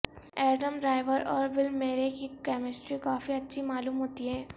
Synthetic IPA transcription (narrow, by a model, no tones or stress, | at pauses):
ɛːɾɖəmɖɾaːɪʋəɾɔːɾbɪlmeːɾekikɛːmɪsʈɾikaːfiɐtːʃʰimaːluːmɦoːt̪iɦɛː